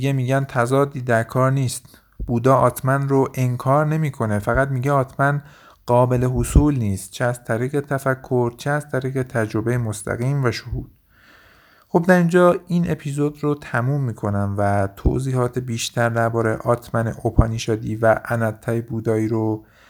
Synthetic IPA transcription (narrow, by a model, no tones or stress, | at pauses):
iɡemiːɟænt̪ʰæzɒːd̪iːd̪æɾkʰɒːɾniːst̪ | b̥uːd̪ɒːʔɒːt̪ʰmænroʔeŋkʰɒːɾne̞miːkʰo̞ne̞fæɣæd̪miːɟeɒːt̪ʰmæn | ɢ̥ɒːbe̞le̞ɦosuːlniːst̪̚t͡ʃʰeæz̥t̪ʰæɾiːɣe̞t̪ʰæfækʰːo̞ɾt͡ʃʰeæz̥t̪ʰæɾiːɣe̞t̪ʰæd͡ʒɾo̞bejemost̪ʰæ̰ɣiːmvæʃohuːd̪̥ | xo̞bd̪æɾind͡ʒɒːiːnʔe̞pʰizo̞d̪rot̪ʰæmuːmːiːkʰo̞næmvæt̪ʰo̰ziːhɒːt̪ʰebiːʃt̪ʰæɾd̪æɾbɒːɾeʔɒːt̪ʰmænḛʔopʰɒːniːʃɒːd̪iːvæʔænæt̪ʰːæebuːd̪ɒːiːɾo